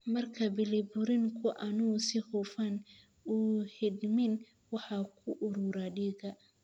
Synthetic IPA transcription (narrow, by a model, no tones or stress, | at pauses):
mɐrkʰɐbɪlɪbʊɾɪŋkʰʊʔɐnʊsɪhuːfɐn | uːhɪd̪mɪn | wɑħɑkʰʊʔʊɾuːɾaɖiːɣɐ